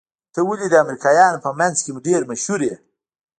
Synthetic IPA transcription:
t̪əwulid̪əamɾikɑjɑnpəmanzkemuɖeɾmaʃhuɾje

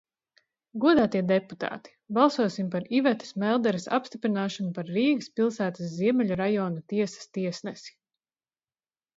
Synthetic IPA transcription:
ɡuɔd̪aːt̪iɛd̪ɛput̪a̰ːt̪i̥balˠsuɔsimpaɾivɛt̪i̥smɛlˠd̪ɛɾisa̰pst̪ipɾinaːʃanupaɾːiːɡəspilˠsæːt̪asziɛmɛlʲuɾajɔːnut̪iɛsɐ̥st̪iɛsnɛsi̥

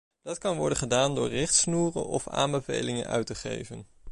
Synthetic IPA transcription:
d̥ɑtkɑnʋɔɹdənχədaːndʊːɹrɪχtsnuːrə̰nɔfa̰ːmbəvḛjlɪŋə̰nœ̰ɥtəχḛjvən

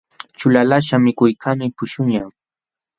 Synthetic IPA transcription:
t͡ʃʊlalaʃamɪkʊjkʰamɪpʊʃʊɲaŋ

